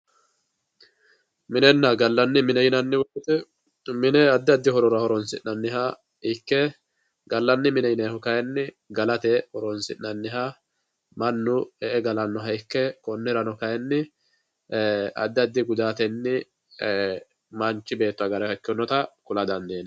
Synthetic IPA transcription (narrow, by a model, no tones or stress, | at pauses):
mɪnɛnːɐɡɐlːɐnːɪmɪnɛjɪnɐnːɪwɔbɪt̪ɛ | mɪnɛɐd̪ːɪɐd̪ːɪhɔɾɔɾɐhɔɾɔnsɪ̰nːɐnːɪɦa | ɪkːɛ | ɡɐlːɐnːɪmɪnɛjɪnɛhɔkɐjɛnːɪ | ɡɐlɐt̪ɛhɔɾɔnsɪ̰nːɐnːɪɦa | mɐnːʊɛʔɛɡɐlɐnːɔɦɐɪkːɛkɔnːɛɾɐnɔkɐjɛnːɪ | ɐ̰d̪ːɪɐd̪ːɪɡʊd̪aːt̪ɛnːɪ | mɐnt͡ʃːɪbe̞ːt̪ːʊɐɡɐɾɛhɐkːɪɔnːɔt̪ɐkʊlɐd̪ɐnd̪eːn